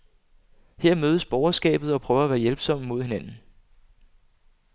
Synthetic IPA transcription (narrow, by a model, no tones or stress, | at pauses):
heɐ̰møːð̞ˠəsb̥ɒʊɐsɡ̥ɛ̰ːb̥ð̩ˠɒ̽pʰʁœːʊɐæʋæːɐjelb̥sɒ̽m̰mo̝ð̞̰ˠhe̝næn̰n̩